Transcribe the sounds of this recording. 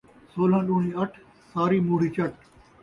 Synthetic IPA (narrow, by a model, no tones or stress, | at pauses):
soːlãːɗuːɳĩːɐʈʰ | saːɾiːmuːɽ̤iːt͡ʃɐʈ̚